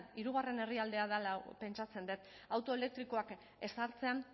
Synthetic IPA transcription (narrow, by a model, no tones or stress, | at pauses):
niɾuɣ̞are̞ne̞riald̪e̞aðalape̞nt͡ʃat͡se̞nd̪et̪ | awt̪o̞e̞le̞k̚t̪ɾiko̞ak | e̞saɾt͡se̞an